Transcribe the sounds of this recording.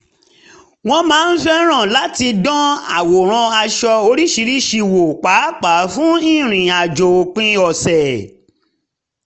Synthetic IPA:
w̃ɔ̃˧mãː˨˦n̩˦fɛ˦ɾ̃ã˦˨la˨˦ti˧dɔ̃˦a̰˨wo˨ɾ̃ã˧a˧ʃɔ˧o˧ɾi˦ʃi˧ɾi˦ʃi˧wo˨k͡pa˨˦k͡pa˨˦fũ˦ĩ˦˨ɾ̃ĩ˨a˨d͡ʒo˨o˨k͡pĩ˦ɔ˨sɛ˨

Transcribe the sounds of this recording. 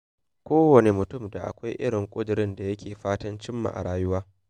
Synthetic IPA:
kʷoː˦wɐ˨ne˨mʊ˨tʊ˦˨mda˨ʔa̰˨kʷa˦jʔɪ˦ɽɪ˨ŋkʷʼʊ˦dɪ˨ɾɪ˦nda˨jɐ˦kʲʰeː˨ɸaː˦tɐ˦nt͡ʃɪ˦mːa̰˨ʔa̰˨ɽaː˦jʊ˦waː˦

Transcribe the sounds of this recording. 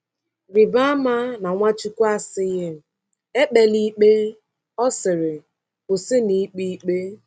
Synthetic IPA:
ɾɪ˨ba˦a˦ma˦na˨ŋʷa˦t͡ʃu˦kʷu˦a˦sɪ˦ɣɪ˦ | e˦k͡pe˨li˦k͡pe˦ | ɔ˦sɪ˨ɾɪ˨ | pʊ˨sɪ˦ni˨˦k͡pi˦k͡pe˦

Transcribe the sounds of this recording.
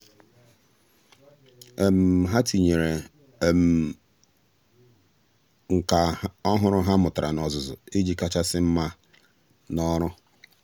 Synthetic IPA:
e˨m̩˨ɦa˦ti˨ɲe˨ɾe˨ | m̩˨ | ŋ̩˨ka˨ɔ˦ɦʊ˦ɾʊ˦ɦa˦mʊ˨tʊ˨ɾa̰˨nɔ˨zʊ˨zʊ̰˨e˦d͡ʒi˦ka˦t͡ʃa˦sɪ˦m̩˦ma˦ | nɔ˦ɾʊ˦

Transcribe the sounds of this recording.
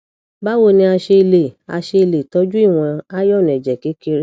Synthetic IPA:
ba˦wo˧˨nĩ˧a˧ʃe˧i˧le˨a̰˧ʃe˧i˧le˨tɔ˦d͡ʒu˦i˦˨w̃ɔ̃˧a˦jɔ˦˨nũ˨ɛ˨d͡ʒɛ˨ki˨˦ki˧ɾ

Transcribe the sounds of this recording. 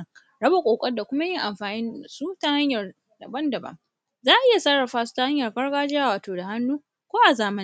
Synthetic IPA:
ɽɐ˦ba˨kʷʼoː˨kʷʼɐ˦rda˨kʷʊ˦ma˦jɪ˦ŋʔa˨mɸaː˨nɪ˦n˨su˦ta˦ha˦ɲjɐ˨r | dɐ˨bɐ˦ndɐ˨bɐ̰˦ŋ | zaː˦ʔɪ˦ja˨sɐ˦ɽɐ˨ɸaː˦su̥˦ta˦ha˦ɲjɐ˨rkɐ˦ɽɡaː˦d͡ʒɪ˦aː˦waː˨toː˨da˨ha˦nːuː˦ | kʷoː˦ʔa˨zaː˨mɐ˦

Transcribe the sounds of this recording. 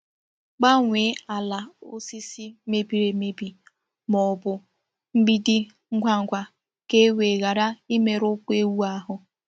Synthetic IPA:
k͡pa˦ŋʷe˨˦a˨la˨o˦si˦si˦me˦bi˨ɾe˨me˦bi˨ | mɔ˨bʊ˨ | m̩˦bi˦dɪ˦ | ŋ̩˦ɡʷa˦ŋ̩˨ɡʷa˦ | ke˦we˨ɣa˨ɾa˦i˦me˨ɾʊ˦kʷe˦wu˦a˦ɦʊ˨

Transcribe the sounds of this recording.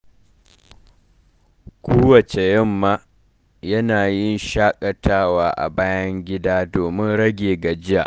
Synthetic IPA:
kʷoː˦wɐ˨t͡ʃe˨jɪ˦mːaː˦ | jɐ˦naː˨jɪ˦nʃaː˦kʼɐ˨tʰaː˦waː˦ʔa̰˨baː˦jɐ˦ŋɡʲɪ˦daː˦doː˨mɪ˦nɽɐ˦ɡʲeː˨ɡa˨d͡ʒɪ˦ja̰˨ʔ

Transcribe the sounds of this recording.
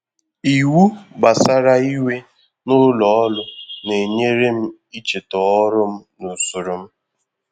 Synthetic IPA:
i˨wu˦ba˨sa˦ɾa˦i˦we˦ | nʊ˦lɔ˨ɔ˦lʊ˦ne˨ɲe˦ɾe˦m̩˦ | i˦t͡ʃe˨tɔ˨ɔ˦ɾʊ˦m̩˦nʊ˨sʊ˨ɾʊ˨m̩˦

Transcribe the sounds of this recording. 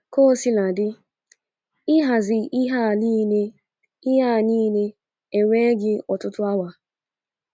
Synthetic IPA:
ko˦si˦la˨dɪ˦ | ɪ˦ɦa˨zɪ˨i˦ɦa˦˨li˦ne˦ | i˦ɦa˦˨niː˦ne˦ | e˨ŋʷe˦ɡɪ˦ɔ˨tʊ˦tʊ˦a˦wa˨

